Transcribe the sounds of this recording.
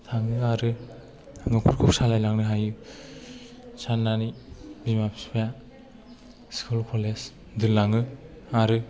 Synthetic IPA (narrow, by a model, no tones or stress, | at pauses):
tʰaŋɯaɾɯ | ŋɯkʰuɾkʰuk̚salajlaŋnɯɦajɯ | t͡ʃʰanːanibimapʰi̥spʰija | skʰulkʰoles | dɯlaŋɯ | aɾɯ